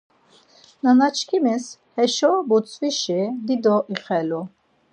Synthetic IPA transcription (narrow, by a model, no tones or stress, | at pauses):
nanat͡ʃʰkʰimishɛʃɔbut͡sʼviʃid̪id̪ɔʔiχɛlu